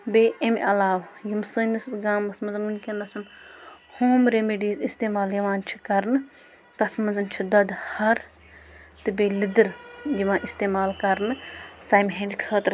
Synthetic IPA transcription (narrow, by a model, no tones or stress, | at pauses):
beːemʲʔɐlaːwjimsɨːnɐsɡaːmɐsmɐzɐnmunʲkʲɐnɐsɐm | hoːmɾemiɖiːzist̪eːmaːljɐʋãːnt͡ʃʰi̥kɐɾnɨ | t̪ɐt̪ʰmɐnzɐnt͡ʃʰid̪ɐd̪hɐɾ | t̪ɨbeːlid̪ɨɾjiʋãːʔist̪eːmaːlkɐɾnɨt͡saːjmʲɦẽːnd̪ʲkʰəːt̪ɾ